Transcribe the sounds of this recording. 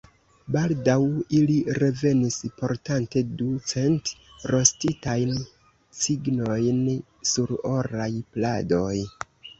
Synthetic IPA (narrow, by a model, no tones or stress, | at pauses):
baldawiliɾe̞ve̞nispo̞ɾtante̞dut͡se̞nt | ɾo̞stitajn | siɡno̞jn | suɾo̞ɾajplado̞j